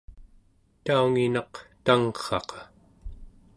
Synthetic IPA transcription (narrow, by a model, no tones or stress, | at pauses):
t̪auŋinɑqt̪aŋχɑ̰qɑ̥